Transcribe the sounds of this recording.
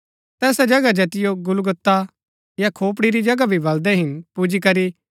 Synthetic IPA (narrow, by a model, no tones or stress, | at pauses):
t̪ɛːsad͡ʒɐɡad͡ʒɐt̪ɪjoɡʊlɡʊt̪ːa | jakʰoːp̬ɽiɾid͡ʒɐɡabʱibɐld̪ɛɦɪnpud͡ʒikɐɾi